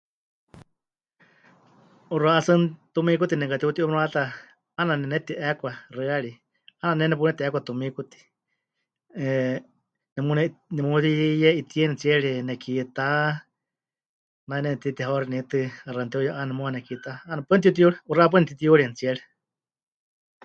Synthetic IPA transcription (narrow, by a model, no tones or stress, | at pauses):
uraʔasɨnt̪umikut̪inɛŋkat̪iut̪iʔumɾat̪a | ananɛnɛt̪iʔɛkʷarɨaɺi | ananɛnɛp̬unɛt̪iʔɛkʷat̪umikut̪i̥ | nɛmunɛnɛmut̪ijɛʔit̪iɛnɛt͡siɛɺinɛkit̪a | nainɛnɛt̪it̪iɦaɾinit̪ɨarant̪iujaʔanɛmuanɛkit̪aːnapɨnt̪iut̪̬iuɺiuraʔap̬uɨnɛt̪it̪ijuɺint͡siɛɺi